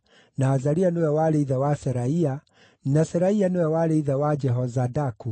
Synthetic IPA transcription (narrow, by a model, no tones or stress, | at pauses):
naːzaɾianewɛwaɾeiðawasɛɾaia | nasɛɾaianewɛwaɾeiðawad͡ʒɛɦɔzadaku